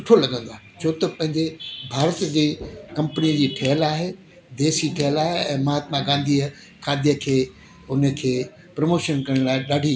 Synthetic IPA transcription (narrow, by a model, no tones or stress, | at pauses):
ʊʈʰolɐɡə̃nd̪aː | t͡ɕʰot̪ɐpɐ̃ɦɪ̃ɲd͡ʑebʱaːɾət̪d͡ʑeːkɐ̃mpənijəd͡ʑiːʈʰɐɦəlaːɦeː | d̪eːsiʈʰɛɦəlaːɦeɛ̃ːmɐɦaːt̪mãɡãːnd̪ʱiə | kʰaːd̪ʱijəkʰeː | ʊnə̆kʰeː | pɾɐmoːʃənkɐɽə̃ɽ̃laːɪɗaːɖʱi